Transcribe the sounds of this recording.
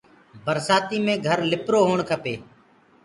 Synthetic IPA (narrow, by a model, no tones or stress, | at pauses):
bəɾsaːt̪iːmẽːɡʱəɾlɪpɾoːɦoːɳkʰəpeː